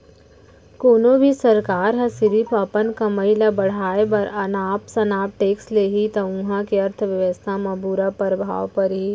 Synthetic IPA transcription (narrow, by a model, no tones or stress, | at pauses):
koːnobʱisɐɾkaːɾɦɐ̃sɪɾipaːpənkɐməilɐbɐɽ̤aːebɐɾɐnaːpsɐnaːp̚ʈeːksleɦit̪ɐũːɦakiɐɾt̪ʰʋɪʋəst̪ʰamɐbuːɾapɐɾbʱa̰ːʋpɐɾɦi